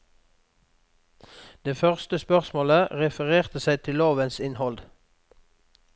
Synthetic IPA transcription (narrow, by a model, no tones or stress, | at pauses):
d̪̥eːfœʁst̪əspœʁsmoːləʁɛfəʁeːʁt̪əsæɪt̪ʰɪloːʋənsɪnhɔld̪